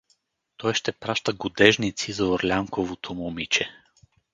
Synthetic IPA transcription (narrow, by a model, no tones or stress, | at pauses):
t̪ɔjʃt̪ɛpɾaʃt̪əɡʊd̪ɛʒnit̪sizɐoɾlʲaŋkovot̪ʰomomit͡ʃɛ